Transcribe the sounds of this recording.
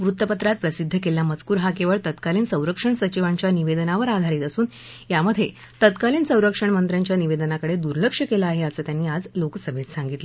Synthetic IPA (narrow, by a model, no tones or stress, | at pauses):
ʋɾut̪ːəpət̪ɾat̪̚pɾəsid̪ʱːəkeljamət͡skuːɾɦakeʋəɭt̪ət̪kaliːnsə̃w̃ɾəkʂəɳsət͡ɕiʋaɲt͡ɕjaniʋed̪ənaʋəɾad̪ʱaɾiːt̪əsuːn | jaməd̪ʱːje | t̪ət̪kaliːnsə̃w̃ɾəkʂəɳmənt̪ɾjaɲt͡ɕjaniʋed̪ənakəɽed̪uɾləkʂəkelaaːɦeəsəːt̪janːiːad͡zloksəbʱet̪saŋɡit̪lə